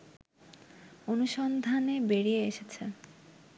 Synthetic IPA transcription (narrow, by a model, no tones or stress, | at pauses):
onuʃɔnd̪ʱanebeɽieeʃet͡ɕʰe